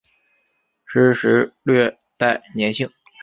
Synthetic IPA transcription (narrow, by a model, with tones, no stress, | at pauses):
ʂɻ̩˧˥ʂɻ̩˧˥lɥɛ˥˧ | t̪a˥˩ɪnjɛ˧˥nɕi˥˩ŋ